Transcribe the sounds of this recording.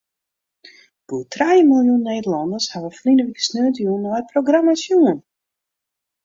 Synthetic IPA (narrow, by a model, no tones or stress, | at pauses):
b̥utʰrajəmɪlˠjunːeːdəlɔndərshaʋəflinəʋikə̥snøːətəjunːɔjproɡramasjuən